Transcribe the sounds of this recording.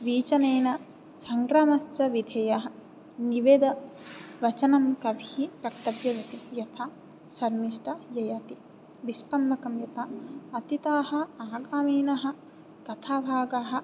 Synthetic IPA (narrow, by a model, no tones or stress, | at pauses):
ʋiːt͡ʃɐneːnɐ | sɐŋɡɾaːmɐst͡ʃɐʋid̪ʱɐjɐɦɐ̆ | niʋeːd̪ɐʋɐt͡ʃɐnɐmkɐʋiikɐkt̪ɐʋjɐʋit̪ijɐt̪ʰa | sɐɾmiʃʈɐjɐjɐt̪i | ʋiʃpɐmːɐkɐmjɐt̪ʰɐɐt̪it̪aːɦɐ̆aːɡaːmeːnɐɦɐ̆ | kɐt̪ʰaːbʱaːɡaɦɐ̆